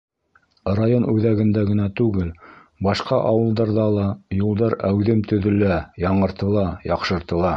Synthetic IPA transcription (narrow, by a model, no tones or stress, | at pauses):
rajonʉðæɡɘ̆nd̪æɡɘ̆næt̪ʉɡɘl | bɑʃqɑʔɑwɤ̆lˠd̪ɑɾðɑlˠɑjulˠd̪ɑɾæwðɘmt̪ɵ̆ðɵ̆læjɑɴɤ̆ɾt̪ɤ̆lˠɑjɑqʃɤ̆ɾt̪ɤ̆lˠɑ